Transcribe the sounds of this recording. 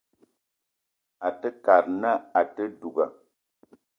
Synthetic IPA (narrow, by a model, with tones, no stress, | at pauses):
a˨tə˦ka˨ɾna˦a˨tə˦du˨ɡa˨